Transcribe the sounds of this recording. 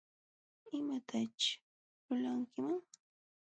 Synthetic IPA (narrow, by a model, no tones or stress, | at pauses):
ɪmat̪ʰat͡ʃ | lʊlaŋkɪmaŋ